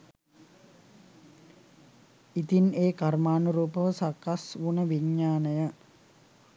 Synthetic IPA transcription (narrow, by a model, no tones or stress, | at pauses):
it̪ineːkarmaːnuɾuːpəʋəsakasʋunəʋiɲːaːnəjə